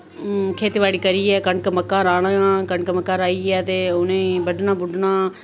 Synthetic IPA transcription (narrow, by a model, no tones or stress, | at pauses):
kʰeːt̪ːʋaːɽiːkəɾiːɛːkəɳkəməkːaːɾaːnaãkəɳkəməkːaːɾaːiːɛːt̪eːʊnẽːbəɖnãːbʊɖnaː